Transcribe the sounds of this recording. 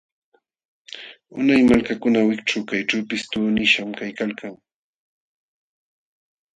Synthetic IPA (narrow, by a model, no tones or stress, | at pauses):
ʊnajmalkakʊnawɪkʈ͡ʂawkajʈ͡ʂawpɪst̪ʊːnɪʃamkajkalkaŋ